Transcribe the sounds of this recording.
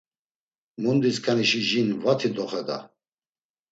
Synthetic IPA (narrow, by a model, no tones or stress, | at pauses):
mund̪iskʰaniʃiʒinvat̪ʰid̪ɔχɛd̪a̰